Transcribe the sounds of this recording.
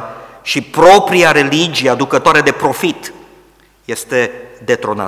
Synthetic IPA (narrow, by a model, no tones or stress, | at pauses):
ʃipɾo̞pɾiaɾe̞lid͡ʒiead̪ukət̪oaɾe̞d̪e̞pɾo̞fit̪ | je̞st̪e̞d̪e̞t̪ɾo̞na̰